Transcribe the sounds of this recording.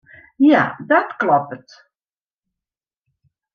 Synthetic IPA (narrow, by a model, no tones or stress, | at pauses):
ja̰dɔtklɔpət